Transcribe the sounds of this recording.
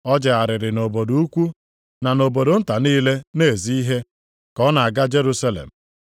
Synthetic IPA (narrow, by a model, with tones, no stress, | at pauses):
ɔ˦d͡ʒɪ˨a˨ɾɪ˨ɾɪ˨no˨bo˨du˨u˦kʷu˦ | na˨no˨bo˨do˨n̩˦ta˨niː˦le˦ne˦˨zi˦i˦ɦe˦ | kɔ˦na˨a˨ɡa˦d͡ʒe˦ɾu˦sa˦lḛ˨m̩˨